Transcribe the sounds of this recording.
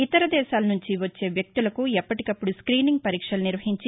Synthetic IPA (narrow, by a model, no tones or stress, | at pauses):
it̪ɐɾɐd̪ɛːʃaːlɐnuɲt͡ʃiʋɐt͡ʃːe̞ːʋjɐk̚t̪ulɐkuɛpːɐʈikɐpːuɽuskɾiːniŋɡ̚pɐɾiːkʂɐlɐniɾʋɐɦiɲt͡ʃi